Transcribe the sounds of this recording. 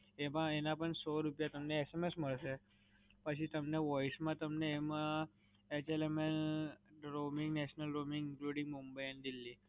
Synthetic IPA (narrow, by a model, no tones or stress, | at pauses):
emaenapəɳsoɾupjat̪əmneːsemesm̤əɭse | pəɕ̬iːt̪əmneʋɔjismãt̪əmneːma | et͡ɕelemen | ɾomiŋɡnɛɕnəlɾomiŋɡiŋkluɽĩŋɡmumbəjanid̪ilːi